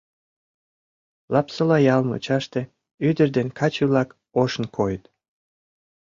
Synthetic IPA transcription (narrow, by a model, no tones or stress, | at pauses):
lɑpsə̆lɑjɑlmɤ̰t͡ɕɑʃt̪e | yd̪ərd̪enkʰɑt͡ɕylɑk | oʃənkʰojət̪